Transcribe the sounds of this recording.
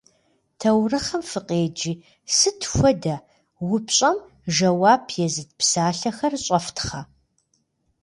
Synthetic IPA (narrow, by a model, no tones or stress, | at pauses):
tʰɐwrɨχɐmfɨqʼeːd͡ʒiː | sɨtʰxʷɔdɐ | wʊpɕʼɐm | ʒɐwaːbʰjɛzɨd̚psaːɬɐxɐrɕʼɐftʰχɐ